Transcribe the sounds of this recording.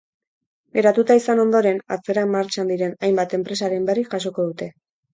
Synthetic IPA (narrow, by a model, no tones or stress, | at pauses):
eɾat̪ut̪aisano̞nd̪o̞ɾe̞na̰t͡se̞ɾamːaɾt͡ʃand̪iɾe̞najmbat̪e̞mpɾe̞s̬aɾe̞mbe̞riʝaso̞ko̞ð̞ut̪e̞